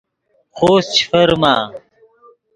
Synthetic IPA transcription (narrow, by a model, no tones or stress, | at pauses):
xoːst͡ɕʰi̥fɐɾmaː